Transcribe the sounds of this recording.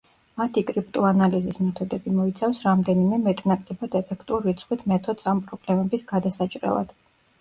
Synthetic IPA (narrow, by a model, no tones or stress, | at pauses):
mat̪ʰikʼɾip̚t̪ʼuanalizismɛt̪ʰɔd̪ɛbimɔit̪sʰafsɾamd̪ɛnimɛmɛt̪ʼnakʼlɛbad̪ɛpʰɛkʰt̪ʼulˠɾit̪sʰχwit̪ʰmɛt̪ʰɔd̪sampʼɾɔblɛmɛbisɡad̪asat͡ʃʼɾɛ̰lˠa̰d̪̥